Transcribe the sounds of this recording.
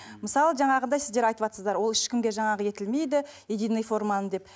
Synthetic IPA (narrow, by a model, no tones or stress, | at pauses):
məsɑlˠəʒɑɴɑʁənd̪ɑjsɪzd̪e̞ɾɑjt̪əwɑt̪səzd̪ɑɾwo̞lˠɪʃkʲɪmɡʲe̞ʒɑɴɑʁəje̞t̪ɪlme̞jd̪ɪed̪ijnɨjfo̞ɾmanəmd̪e̞p̚